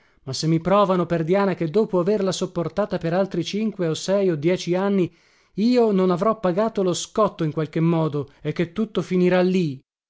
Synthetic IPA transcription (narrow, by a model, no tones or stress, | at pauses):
masːemːipɾɔːvanoperd̪jaːnak̟ed̪ːoːpoaverlasopːort̪aːt̪apeɾalt̪ɾit͡ʃiŋkweosɛjod̪jɛːt͡ʃianːi | iːononavɾɔpːaɡaːt̪oloskɔt̪ːoiŋkwalk̟emːɔːd̪oekːet̪ːut̪ːofiniɾalːi